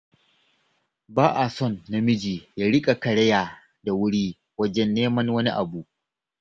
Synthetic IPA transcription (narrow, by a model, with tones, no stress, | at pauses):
baː˦ʔa˨sɔ˦˨nːa˦mɪ˦d͡ʒiː˨jaː˦ɽɪ˦kʼa˨kɐ˨ɽɐ˦jaː˨ | da˨wʊ˦ɽiː˦ | wɐ˦d͡ʒɛ˦nːeː˦mɐ˦nwɐ˦nḭ˦ʔa˨buː˨ʔ